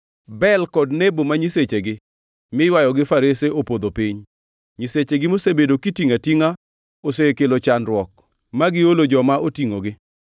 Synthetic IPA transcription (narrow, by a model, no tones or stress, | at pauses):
bɛlkɔdnebomaɲiset͡ʃeɡɪ | mɪwajɔɡɪfaɾeseopod̪opiɲ | ɲiset͡ʃeɡɪmosebedokitiŋatiŋa | osekelot͡ʃanɾwɔk̚ | maɡɪolod͡ʒɔmaotiŋoɡɪ